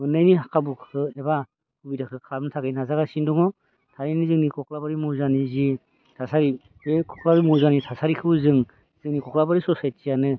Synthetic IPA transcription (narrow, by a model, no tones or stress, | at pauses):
mɯnːɯjniɦakʰabukʰɯeba | kubidakʰɯkʰabnɯtʰaɡɯjnazaɡasindɔŋɔ | tʰaɾinizɯŋnikʰɔkʰlabaɾimuzanizi | tʰasaɾi | ekʰɔkʰlabimuzanitʰasaɾikʰɯwzɯŋ | z̥ɯŋnikʰɔkʰlabaɾisɔsajt̚sijanɯ